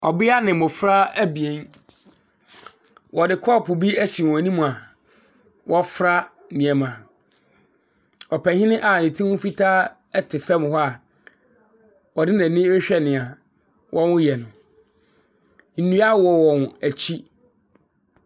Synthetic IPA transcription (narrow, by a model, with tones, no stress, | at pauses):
ɔ˨bɪ˦a˦nɪ̃˨mʊ̃˨fɾa˦æ˦bi˨e˨˦n | wɔ˨dɪ˨kʰɔ˦˨pʰʊ˨bi˦æ˦si˨nĩ˦mũ˨a˨ | wʔɔ˦fɾa˦ | nĩ˨ɛ˨mã˨ | ɔ˨pʰɛ˨hɪ̃˦nɪ̃˦ʔa˨nɪ̃˨tʰĩ˦wʊ̃˦fi˦tʰaː˦ | ɛ˦tʰɪ˨fɛ˦m˨ɦɔ˦a˨ | wɔ˨dɪ˦nã˨nɪ̃˦ɛ˦ɕᶣɛ˦nɪ̃˨a˨ | wʔɔ̃˦wʊ̃˦jɛ˨nʊ̃˨ | n̩˨nũ˦a˦wɔ˨wɔ̃˨n˨æ˨t͡ɕʰi˦